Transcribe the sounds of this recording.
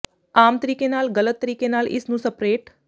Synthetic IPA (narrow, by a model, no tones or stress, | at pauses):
amt̪əɾiːkenaːlɡələt̪ːəɾiːkenaːlʔḭsnũsəpɾeːʈ